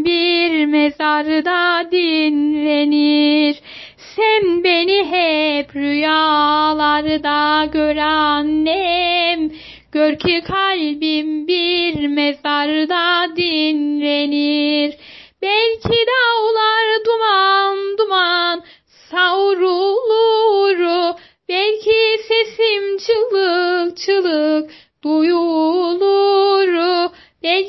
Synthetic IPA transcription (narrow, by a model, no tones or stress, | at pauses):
biɾmezaɾɯd̪ad̪inleniɾ | sɛmbeniɦɛpʰɾyjalˠaɾɯd̪aɟøɾanːɛm | ɟ̥øɾcʰikʰalʲbimbiɾmezaɾɯd̪ad̪inleniɾbɛlʲcʰid̪awolˠaɾd̪umand̪uman | sawɾulˠuɾu | bɛlʲcʰisesimt͡ʃʰɯlˠɯkt͡ʃʰɯlˠɯk | d̪̥ujulˠuɾu | b̥ɛlʲ